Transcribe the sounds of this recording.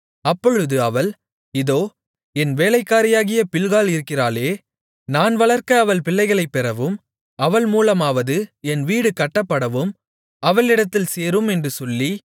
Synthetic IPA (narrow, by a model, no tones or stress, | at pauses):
ɐpːɔɻɯðɯɐʋɐɭ | ɪðoː | ɛnʋeːlɐɪkːaːɾɪjaːɣɪjɐpɪɭɣaːlɪɾɯkːɪraːleː | naːnʋɐɭɐɾkɐːʋɐlpɪlːɐɪɣɐɭɐɪpːɛɾɐʋɯm | ɐʋɐɭmuːlɐmaːʋɐðɯɛnʋiːɽɯkɐʈːɐpːɐɽɐʋɯm | ɐʋɐlɪɽɐt̪ːɪlseːɾɯmɛndrɯsɔlːi